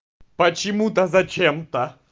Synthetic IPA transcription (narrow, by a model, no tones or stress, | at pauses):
pɐt͡ɕɪmud̪ɐzɐt͡ʃemt̪ɐ